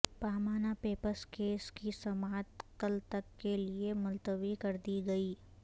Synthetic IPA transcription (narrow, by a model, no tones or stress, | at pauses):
paːmaːnapeːpəɾskeːskisɐmaːt̪kəlt̪ɐkːeliemʊlt̪əʋikɐɾd̪iɡɐiː